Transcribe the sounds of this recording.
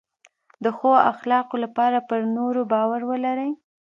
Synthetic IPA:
d̪əxoa̰xlɑqolapɑɾapəɾnoɾobɑwaɾwəlaɾəj

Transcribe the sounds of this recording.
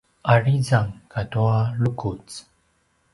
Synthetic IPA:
aɾid͡zaŋkat̪ualukut͡s

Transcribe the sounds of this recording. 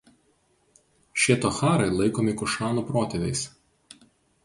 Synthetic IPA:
ʃʲiɛt̪oːxɑːɾɐɪlˠɐɪkoːmʲɪkʊʃɑːnuːpɾoːt̪ʲɛʋʲɛ̰ɪs

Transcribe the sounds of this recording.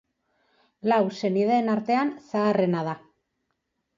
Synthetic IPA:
lawse̞nið̞eːnaɾt̪e̞ansaːre̞nað̞a

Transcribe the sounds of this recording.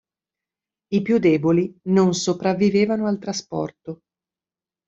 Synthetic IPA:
ipjud̪ɛːbolinonsopɾavːiveːvanoalt̪ɾaspɔ̰rt̪o

